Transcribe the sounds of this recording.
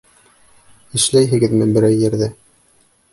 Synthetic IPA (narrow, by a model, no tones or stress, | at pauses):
ɘ̆ʃlæjɦɘ̆ɡɘðmɘbɘ̆ɾæjːɘ̆ɾðɘ